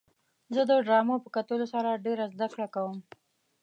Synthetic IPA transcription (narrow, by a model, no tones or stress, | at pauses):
zəd̪əɖɾɑmapəkat̪əlosaɾaɖeɾazd̪akɽakawəm